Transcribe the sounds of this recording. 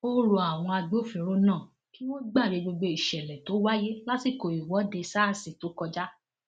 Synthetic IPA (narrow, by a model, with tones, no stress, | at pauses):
o˦ɾo˧a˨w̃ɔ̃˧a˧ɡ͡bo˦fĩ˧˨ɾo˧nãː˦˨ | ki˦w̃õ˦ɡ͡ba˦˨ɾe˨˧˦ɡ͡bo˧ɡ͡bo˧i˨ʃɛ˨lɛ˨to˨˦wa˦je˦la˦ti˦˨ko˨i˨wɔ˨˦de˧sa˦˨si˨to˨˦kɔ˧d͡ʒa˦